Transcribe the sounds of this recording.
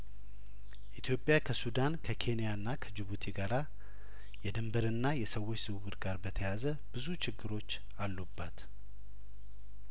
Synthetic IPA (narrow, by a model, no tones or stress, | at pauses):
ʔit̪ʰjo̞pʼːjakʰəsud̪ankʰəkʰe̞nijanːakʰəd͡ʒɪβut̪ʰiɡaɾa | jɛd̪ɨmbəɾɨnːajɛsəwːo̞t͡ʃːz̥ɨwuwɨɾɡaɾbət̪ʰəjazə | b̥ɨzut͡ʃɪɡːɨɾo̞t͡ʃː | alːubːat̪